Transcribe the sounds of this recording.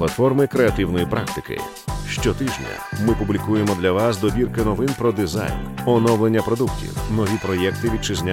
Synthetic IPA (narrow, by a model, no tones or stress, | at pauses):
lˠɐt̪fɔrmɪkɾeɐt̪ɪwnɔjipɾa̰k̚t̪ɪkɪ̰ | ʃt͡ʃɔt̪ɪʒnʲɐ̰mɪpublʲikujemɔd̪lʲɐʋasd̪ɔbʲirkɪnɔʋɪnpɾɔd̪ɪza̰jn | ɔnɔwlˠenʲːɐpɾɔd̪uktʲḭwnɔʋʲipɾɔjɛkt̪ɪʋʲid̪̚t͡ʃɪzʲnʲa